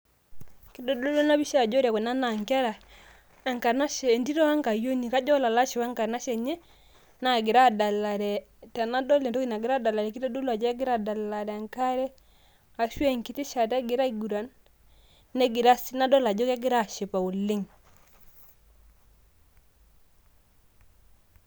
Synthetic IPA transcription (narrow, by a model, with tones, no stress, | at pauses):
kɪ˦dɔ˦do˦lo˦na˦bi˦ʃa˦˨d͡ʒɔ˦ɾja˨kɔ˨na˦na˨ŋka˦ɾa˨ | ɛ˨ŋka˨na˦ʃɛ˨ndi˦ɾɔ˦a˦ŋka˨jo˦ni˨ka˦d͡ʒɔ˦la˨la˦ʃi˨wa˦ŋka˨na˦ʃɛ˨ɲɛ˦ | na˨ɡɪ˨ɾa˦˨da˨la˨ɾɛ˨ | ta˨na˦dɔ˦le˨tɔ˦ki˨na˨ɡɪ˨ɾa˦da˨la˨ɾɛ˨kɪ˦dɔ˦do˦la˨d͡ʒɛ˦ɡɪ˦ɾa˦˨da˨la˨ɾɛ˨a˨ŋka˦ɾɛ˦ | a˨ʃwɛ˦˨ŋkɪ˨˦tɪ˦ʃa˨tɛ˦ɡɪ˨ɾa˦i˦˨ɡu˨ɾa˨nː | ɛ˦ɡɪ˨ɾa˦sna˦dɔ˦la˨d͡ʒɔ˦ka˦ɡɪ˦ɾa˦˨ʃe˨pa˨u˨lɪ˦ŋ